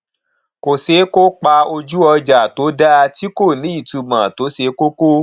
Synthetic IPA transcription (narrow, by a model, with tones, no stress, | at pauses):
ko˨se˨˦ko˦k͡pa˧o˧d͡ʒu˦ɔ˧d͡ʒa˨to˨˦da˦˧ti˦ko˦˨nĩ˨˦i˦˨tu˨˧mã˨to˨˦se˧˦ko˦ko˦